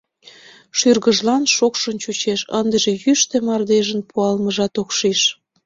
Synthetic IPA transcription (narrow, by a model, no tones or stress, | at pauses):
ʃyrɣəʒlɑnʃokʃənt͡ɕut͡ɕeʃə̰nd̪əʒejyʃt̪emɑrd̪eʒənpuɑlməʒɑt̪okʃiʃ